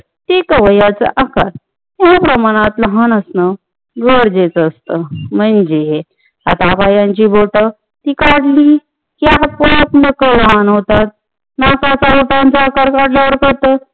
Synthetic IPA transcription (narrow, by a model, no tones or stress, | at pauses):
t̪ekəʋəjat͡sə̰ʔakaɾ | aapɾəmaɽ̃at̪ləɦanəsnə | ɡəɾd͡ʑet͡səst̪əmənd͡ʑe | a̰t̪apajãɲt͡ɕiːbolʈ̪ə | t̪iːkaɽliː | kiapopnəkələɦanɦot̪at̪̚ | nakat͡saboʈ̪aant͡səakaɾkaɽljaʋəɾkəɾt̪ə